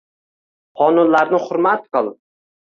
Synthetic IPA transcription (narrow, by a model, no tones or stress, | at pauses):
qʰɒnʊnlaɾnɪhʊɾmat̪qɨlˠ